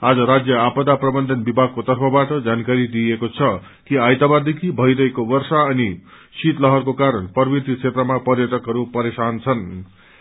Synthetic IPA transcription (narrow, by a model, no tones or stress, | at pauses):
ad͡zʌɾad͡zjʌapʌd̪aprʌbʌnd̪ʱʌnbibʱaɡ̚kot̪ʌrpʰʌbaʈʌd͡zankaɾid̪iekot͡sʰʌ | kiajt̪abad̪ekʰibʱʌjɾʌɦekobʌrsaʌni | sit̪lʌɦʌrkokaɾʌnpʌrbit̪it͡sʰet̪rʌmapʌrjʌʈʌkɦʌɾupʌɾesant͡sʰʌn